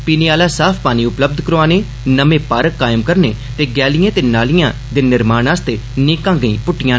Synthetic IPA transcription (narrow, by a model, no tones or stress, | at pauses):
piːneːaːlaːsaːpʰpaːniːʊpləb̚d̪ʱkəɾoãːneː | nəmẽːpaːɾəkːaːɪmkəɾnḛː | t̪eːɡɛːlɪjãːt̪eːnaːlɪjãː | d̪eːnɪɾmaːnaːst̪eːneːkãːɡəḭ̃ːpʊʈːɪjãː